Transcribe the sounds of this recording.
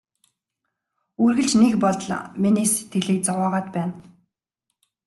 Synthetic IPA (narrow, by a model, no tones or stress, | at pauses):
urɣɘ̆ɮt͡ɕnekpɔɮɮminiːse̥t̪ɡɘ̆ɮiːk̚t͡sawaːʁaːt̪pæːn